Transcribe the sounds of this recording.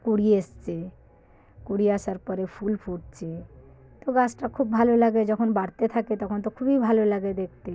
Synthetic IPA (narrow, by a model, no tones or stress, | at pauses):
kuɽiest͡ɕe | kuɽiaʃaɾpɔɾepʰulpʰuʈt͡ɕʰe | t̪oɡasʈakʰubbʱalolaɡed͡ʑɔkʰonbaɽt̪et̪ʰaket̪ɔkʰont̪̬okʰubibʱalolaɡed̪ek̚ʰt̪e